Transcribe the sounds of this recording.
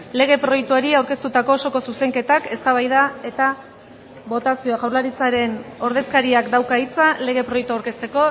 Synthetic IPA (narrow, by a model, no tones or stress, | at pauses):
le̞ɣ̞e̞pɾo̞jek̚t̪uaɾiawɾke̞st̪ut̪ako̞ːso̞ko̞suse̞ŋke̞t̪ake̞st̪aβajðae̞t̪a | βo̞t̪asio̞aɣawɾlaɾit͡saɾe̞no̞ɾðe̞skaɾiakd̪awkait͡sale̞ɣ̞e̞pɾo̞jek̚t̪uawɾke̞st̪e̞ko̞